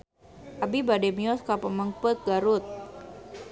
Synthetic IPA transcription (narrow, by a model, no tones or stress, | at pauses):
ʔabibadɛmiɔskapəməŋpət̪̚ɡaɾut̪̚